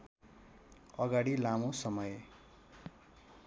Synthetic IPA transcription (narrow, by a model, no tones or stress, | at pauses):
ʌɡaɽilamosʌmʌj